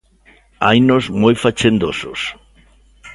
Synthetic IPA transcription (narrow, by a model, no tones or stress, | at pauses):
ajnozmojfat͡ʃend̪osos